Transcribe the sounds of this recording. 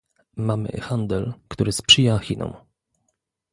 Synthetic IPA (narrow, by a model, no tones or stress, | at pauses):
mamɘ̰xand̪ɛlkt̪uɾɘspʂɘjaxʲinɔ̰m